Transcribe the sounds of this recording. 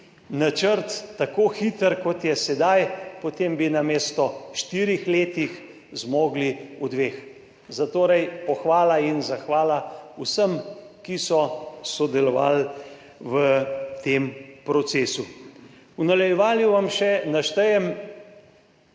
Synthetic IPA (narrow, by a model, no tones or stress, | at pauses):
nat͡ʃəɾt̪ːakoːxiːt̪əɾkɔt̪jɛsɛd̪ajpot̪eːmbinameːst̪ɔʃt̪iːɾixleːt̪ix | zmoːɡliud̪ʋeːx | zat̪oːɾɛjpɔxʋaːlainzaxʋaːlausəmkisɔsɔd̪ɛlɔʋa̰l | ʋət̪empɾɔt̪seːsu | unalɛjɛʋaːljuʋamʃɛnaʃt̪əjɛm